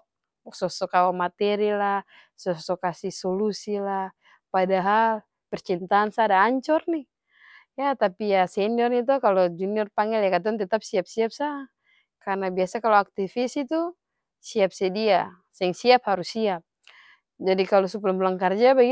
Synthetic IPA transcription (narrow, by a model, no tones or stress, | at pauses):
sɔsɔkawamat̪ɛɾila | sɔsɔkasihsɔlusila | padaɦal | pɛrt͡ʃint̪aːnsadaːɲt͡ʃɔrni | jat̪apijasɛniɔrnit̪̬ɔkalɔd͡ʒuniɔrpaŋɛljakat̪̬aɔnt̪ɛt̪ap̚siap̚siap̚sa | karnabiasakalɔak̚t̪ifisit̪u | siap̚sɛdia | sɛɛŋsiap̚haɾusiap̚ | d͡ʒadikalɔsuplamblaŋkard͡ʒabaɡi